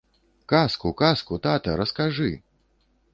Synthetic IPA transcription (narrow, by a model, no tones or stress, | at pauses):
kaskukaskut̪at̪ɐɾɐskaʐɨ